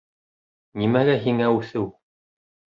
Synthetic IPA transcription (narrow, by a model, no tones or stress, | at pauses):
nimæɡæɦiŋæʉθɘw